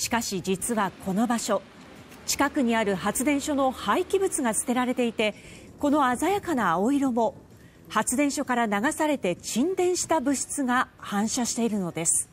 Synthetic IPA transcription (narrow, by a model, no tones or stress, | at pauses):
ɕi̥kaɕid͡ʑit͡sɨβakʰo̞no̞baɕo̞ | t͡ɕi̥kakɯ̟ɲ̟iaɾɯ̟ɦat͡sɨd̪ẽ̞ɰ̃ɕo̞no̞haikʲibɯ̟t͡sɨɡat͡sɨ̥t̪e̞ɾaɾe̞t̪e̞it̪e̞ | ko̞no̞azajakanaːoiɾo̞mo̞ | hat͡sɨd̪eɰ̃ɕo̞kaɾanaɡasaɾe̞t̪e̞t͡ɕĩnd̪ẽ̞ɰ̃ɕi̥t̪abɯ̟ɕi̥t͡sɨɡahãɰ̃ɕaɕi̥t̪e̞iɾɯ̟no̞d̪e̞sɨ̥